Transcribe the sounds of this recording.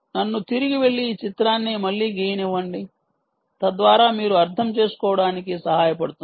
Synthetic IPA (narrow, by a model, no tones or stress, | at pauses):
nɐnːut̪iɾiɡiʋe̞ɭːiːt͡ʃit̪ɾaːnːimɐɭːiːɡiːjɐniʋːɐɳɖi | t̪ɐd̪ʋaːɾaːmiːɾuɐɾt̪ʰɐmt͡ʃe̞ːsu̥kɔːʋɐɽaːnikisɐɦaːjɐpɐɽut̪u